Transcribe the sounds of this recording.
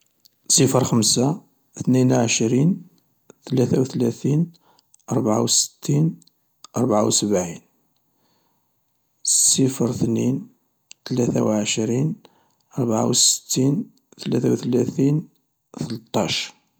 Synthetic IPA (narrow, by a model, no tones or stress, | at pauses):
sˤəfəɾxəmsa | θninʕəʃɾin | θlæθæwθlæθin | ʔɑɾˤbʕa̰wsə̥t̪ːin | ʔɑɾˤbʕa̰wsəbʕin | sˤəfɾθnin | t̪læθæwʕəʃɾin | ʔɑɾˤbʕa̰wsə̥ə̥t̪ːin | θəlæθæwθlæθin | θəlt̪ˤːɑʃ